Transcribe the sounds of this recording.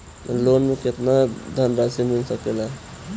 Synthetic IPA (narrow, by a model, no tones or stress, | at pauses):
lonmeket̪nad̪ʱənɾasiminsəkela